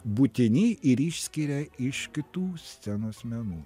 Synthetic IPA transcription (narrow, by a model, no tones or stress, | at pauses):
buːt̪ʲɪnʲɪʔɪɾiʃʲsʲkʲiɾʲɛɪʃkʲɪt̪uːsʲt̪sʲɛnuɐsʲmʲɛnuː